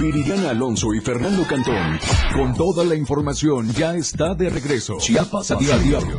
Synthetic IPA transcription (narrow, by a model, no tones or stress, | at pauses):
biɾiʎanaːlo̞nso̞ifeɾnãnd̪o̞kant̪onko̞nt̪o̞ðalaiɱfo̞ɾmasjo̞nd͡ʒaest̪aðe̞reɣɾe̞sosaasajaɾjo